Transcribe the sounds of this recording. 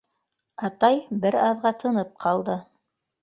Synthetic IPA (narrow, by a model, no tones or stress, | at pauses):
ɑt̪ɑjbɘɾɑðʁɑt̪ʰɤ̆nɤp̚qʰɑlˠd̪ɤ